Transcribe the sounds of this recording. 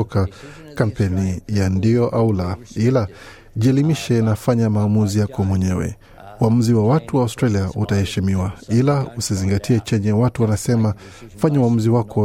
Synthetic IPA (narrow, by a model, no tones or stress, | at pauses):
ɔka | kampɛnijandijɔʔaulaila | ʄiɛlimiʃɛnafaɲamaːmuzijakɔmwɛɲɛwɛ̰ | uam̩ziwawatuwaːwstɾaliautahɛʃimiwailausiziŋɡatʰiɛt͡ʃɛɲɛwatuwanasɛma | faɲauam̩ziwakʰɔ